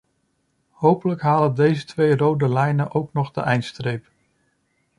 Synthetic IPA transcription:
howpələkɦaːləndejzətʋejrowdəlɛjnəʔowknɔχdə̰ʔɛjntstrejp

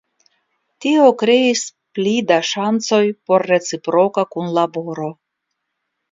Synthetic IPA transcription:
tio̞kɾe̞isplidaʃant͡so̞jpo̞ɾːe̞t͡sipɾo̞kakunlabo̞ɾo̞

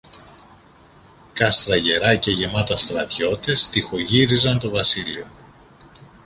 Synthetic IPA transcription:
kɐst̪ɾɐʝe̞ɾɐce̞ʝe̞mɐt̪ɐst̪ɾɐt̪ço̞t̪est̪ixo̞ʝiɾizɐnt̪o̞vɐsilio̞

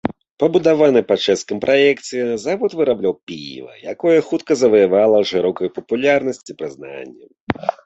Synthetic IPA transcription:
pɐbud̪avanɨpɐt͡ʂɛst̪̚kɐmpɾʔajɛk̪sʲɨjɛzavut̪vɨɾablʲawpʲḭj̰vɐ̰jakɔjɐxut̪kɐzɐvɐjavalˠɐʂɨɾɔkɐjupɐpulʲarnɐsʲt͡sʲipɾɨzna̰nʲːɐ̰m

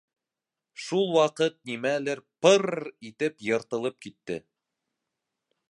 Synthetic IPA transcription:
ʃulˠwɑqɤt̪̚nimælɘɾpɤɾit̪ɘpjɤ̆ɾt̪ɤ̆lˠɤp̚kit̪ːɘ

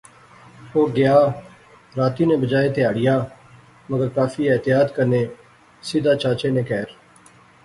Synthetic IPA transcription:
oːɡɪjaː | ɾaːt̪iːnẽːbəd͡ʒaːeːt̪ɪjaːɽɪjaː | məɡəɾkaːfiːɛːt̪ɪjaːd̪kəɾneː | sɪd̪aːt͡ʃaːt͡ʃeːnẽːkɛːɾ

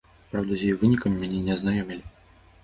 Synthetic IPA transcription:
pɾawd̪ɐzʲjɛjɛvɨnʲikɐmːʲanʲɛnʲɛɐznajɔmʲilʲi

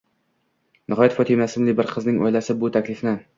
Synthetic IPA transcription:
nʔɪɦɒjat̪fɒt̪ʰɪmasɪmlɪbɪɾqʰɨznɪŋɒ̰jlasɪbʊt̪ʰakʲlɪfnɪ

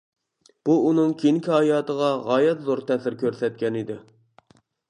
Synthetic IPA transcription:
b̥uunɨŋkʲʰenkʲiɦɑjɑːt̪əʁɑʁɑːjɛt̪zoɾt̪ʰɛsɪɾkʲʰøɾsɛt̪̚kʲɛnɪd̪ɪ

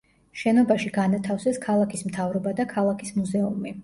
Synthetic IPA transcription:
ʃɛnɔbaʃiɡanat̪ʰafsɛskʰalˠakʰismt̪ʰavɾɔbad̪akʰalˠakʰismuzɛumi

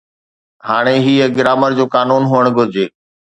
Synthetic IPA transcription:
ɦaːɽ̃eɦiːəɡɪɾaːməɾd͡ʑoːkaːnuːnɦuəɽ̃ɡʱʊɾɪd͡ʑeː

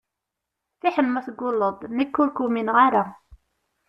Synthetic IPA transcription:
θiħənmæθəɡːʊlːəd̪ˤnəkːulkuminʁaɾa

